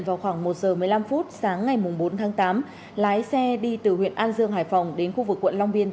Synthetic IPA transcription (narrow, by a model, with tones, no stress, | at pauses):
nvaː˨˩wxwaː˧˩ŋmo˨˩t̚zəː˨˩mɨ˨˩əjla˧mfu˦˥t̚saː˨˦ŋːa˨˩jmʊ˨˩ŋ͡mɓo˨˦nt̪ʰaː˨˦ŋt̪aː˨˦m | laː˨˦jsɛ˧ɗi˧t̪ɨ˨˩hwḭ˧˨ənʔaː˧nzɨ˧əŋɦaː˨˩jfa˨˩wŋ͡mɗe˨˦nxu˧vɨ˨˩kːwə̰˧˨nla˧wŋ͡mɓi˧ən